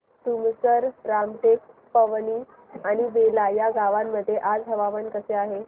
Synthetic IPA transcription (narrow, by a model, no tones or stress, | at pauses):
t̪umsəɾɾamʈek̚ | pəʋniː | añibelajaɡaʋamːəd̪ʱːjeʔad͡zɦəʋaʋənkəseaɦe